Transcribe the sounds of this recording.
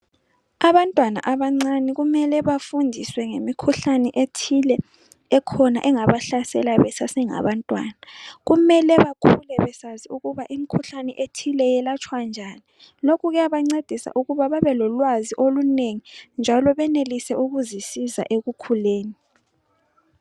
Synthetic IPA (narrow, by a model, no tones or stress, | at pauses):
aβantʼwana̰ʔaβaŋ͡ǀaniɣumɛlɛβafundʱiswɛŋemikʰuɬanɛʔetʰilɛ | ɛkʰɔna̰ʔɛŋaβaɬasɛ̰laβɛsasɛŋa̰βantʼwa̰ːnaɣumɛlɛβakʰulɛβɛsaziuɣuβaʔimikʰuɬanɛʔetʰilɛjɛlat͡ʃʰʼwand͡ʒʱani | lokuɣɛaβaŋ͡ǀed̥ʱisa̰ʔuɣuβaβaβɛlɔlwaziʔoluneŋind͡ʒʱalɔβɛnelisɛʔuɣuzisiza̰ʔeɣukʰuleːni